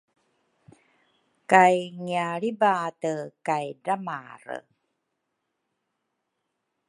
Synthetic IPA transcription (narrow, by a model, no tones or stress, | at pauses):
kajŋiaɭibatəkajdama̰ɾə̰